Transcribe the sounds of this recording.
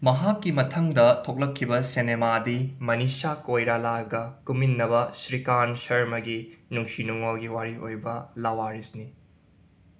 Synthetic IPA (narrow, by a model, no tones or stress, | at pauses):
mɐɦakːimɐtʰɐŋdɐtʰok̚lɐkʰːibɐsenemadimɐnisakojɾalaɡɐkuminːɐbɐsɾikansɐɾmɐɡinuŋkʰinuŋolɡiwaɾiojbɐlawaɾisni